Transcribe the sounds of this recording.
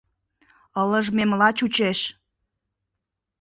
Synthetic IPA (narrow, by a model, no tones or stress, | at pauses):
ələʒmemlɑt͡ɕut͡ɕeʃ